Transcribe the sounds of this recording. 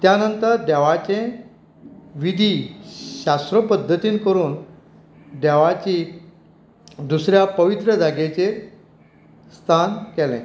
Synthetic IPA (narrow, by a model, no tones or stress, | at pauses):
t̪janənt̪əɾd̪ɛʋat͡ɕẽ | ʋid̪ʱiɕast̪ɾəpəd̪ʱːət̪iːnkəɾuːn | d̪ɛʋat͡ɕi | d̪usɾjapəʋit̪ɾəd͡zaɡet͡ɕe | st̪ʰankɛlɛ̰̃